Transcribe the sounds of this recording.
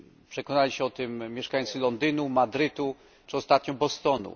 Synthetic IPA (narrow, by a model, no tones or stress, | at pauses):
pʂɛkɔnalʲiɕɛɔt̪ɘmːʲjɛʂkajt̪sɘlɔnd̪ɘnumad̪ɾɘt̪u | t͡ʂɨɔst̪at̪ɲɔ̃bɔst̪ɔnṵ